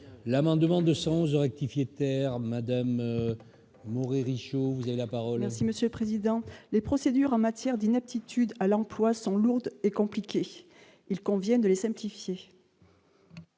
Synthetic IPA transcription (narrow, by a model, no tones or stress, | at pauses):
lamɑ̃d̪mɑ̃d̪əsɑ̃ɔ̃zəʁɛk̚t̪ifjet̪ɛʁmad̪am | ɔʁeʁiʃovuzavelapaʁɔlmɛʁsiməsjøləpχezid̪ɑ̃lepχɔsed̪yʁɑ̃mat̪jɛʁd̪inɛp̚t̪it̪ʰyd̪alɑ̃plwasɔ̃luʁd̪ekɔ̃plikʲe | ilkɔ̃vjɛnd̪əlesɛ̃plifje